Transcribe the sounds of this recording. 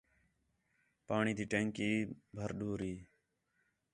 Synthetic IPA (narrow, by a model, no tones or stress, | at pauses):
paːɳiːt̪iːʈẽːŋkiːbʱəɾɗoːɾiː